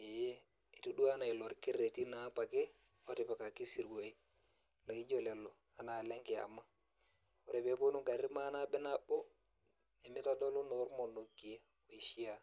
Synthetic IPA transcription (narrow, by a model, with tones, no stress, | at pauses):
e˨j | e˨tu˦du˦a˦na˨ɪ˨lo˨ɾke˦ɾe˨ti˦na˨˦pa˨ke˦ | ɔ˦tɪ˨pa˨ka˨ki˦si˨ɾɡo˨i˦ | la˨ki˦d͡ʒo˦lɛ˨lo˨ | a˨na˨lɛ˦ŋkɪ˨a̰˨ma˦ | o˨ɾe˨pe˨˦po˦nu˦ŋka˨ɾi˦ma˦na˦bɛ˦na˦bo˦ | e˨mɪ˦ta˦dɔ˦lo˦no˨˦ɾmo˨no˨kːi˨e˦ | o˨i˨ʃi˦a˦